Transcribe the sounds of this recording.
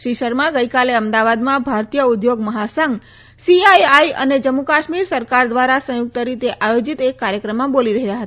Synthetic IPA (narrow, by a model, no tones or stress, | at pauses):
ʃiʃəɾmãɡəjkaleəmd̪aʋad̪mãbʱaɾt̪ijəud̪joɡməɦasəŋɡ | siajajʔə̰ned͡ʒəmːukaʃmiɾsəɾkaɾd̪ʋaɾasə̃juk̚t̪əɾit̪eʔajod͡ʒit̪ekːaɾjəkɾəmːãboliɾəɦjaɦət̪a